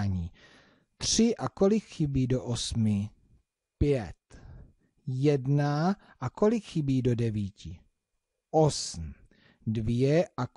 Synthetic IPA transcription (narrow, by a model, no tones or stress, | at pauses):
ɲiː | t̪r̝̥ɪʔako̞lɪkxɪbiːdo̞ʔosmɪ | pjɛt̪ | jɛdna | ʔako̞lɪkxibiːdo̞dɛviːcɪ | ʔosm̩ | dvɪjɛʔa